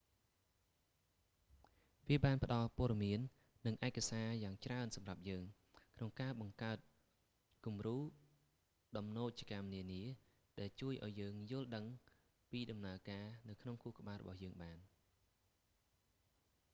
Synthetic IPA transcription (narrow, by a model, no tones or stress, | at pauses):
ʋiəɓaːnpə̆ɗɑlpŏəɗɑmiənː | ɨŋʔaɛkasaːjaːŋt͡ɕraənsɑmrap̚jəːŋ | kʰnoŋkaːɓɑŋkaət̪̚ | kumruː | ɗɑmnoːc̚t͡ɕikamniəniə | ɗaɛlt͡ɕuəjʔa̰ɔjːəːŋjʊ̆əlɗəŋ | piːɗɑmnaəkaːnɨwkʰnoŋkukə̆ɓaːlrɔ̰ɓɑhjəːŋɓaːn